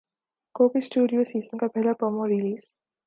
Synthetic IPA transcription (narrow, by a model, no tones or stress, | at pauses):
koːpisʈuːɖijosiːzənkapɛɦlapɾəmoɾiliːz